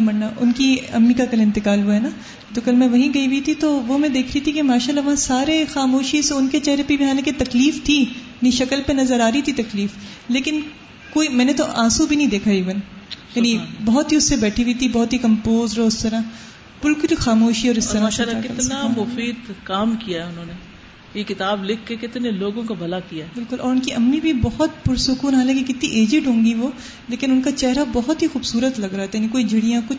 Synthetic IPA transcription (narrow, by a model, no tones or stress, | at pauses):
mɐnnaʔʊ̰nkiɐ̰mːikakɐlɪ̃nt̪ɪkaːlɦuaɦɛna | t̪okɐlmɛ̃ʋɐɦĩɡɐiʋit̪ʰit̪oʋomɛ̃d̪eːkʰɾəit̪ʰikemaːʃaːlːaʋɐɦãsaːɾexaːmoːʃiseʊnket͡ʃɛːɾəpibɪɦaːneket̪ɐkliːft̪ʰijnɐĩʃɐkəlpenɐzəɾaːɾəit̪ʰit̪ɐkliːf | leːkɪn | koːimɛ̃ːnet̪oʔaːsubʱinɐɦĩd̪eːkʰaiːʋɐnjaːnibɐɦɔt̪ɦiʊsːebɛːʈʰiit̪ʰibɔɦːt̪ɦikɐ̃mpoːzɾoʊst̪ɐɾa | bɪlkʊlixaːmoːʃiɔːɾɪsɐɾaalaakɪkɐ̰ɾt̪namʊfiːd̪kaːmkijaɦɛʊnɦõːne | jekɪt̪aːblɪkʰkekɪt̪neloːɡõkabʱɐlakijaɦɛbɪlkʊlʔɔːɾʊnkiʔɐmnibʱibɐɦʊt̪̚pʊɾsʊkuːnɦaːlãːkik̬ɪt̪nĩʔeːd͡ʒɪʈɦõːŋɡiʋoː | leːkɪnʊnkat͡ʃɛɦɾabɔɦɔt̪ɦixuːbsuːɾət̪lɐɡɾaɦat̪ajanĩk̬oːid͡ʒʱɐɽijãkʊt͡ʃʰ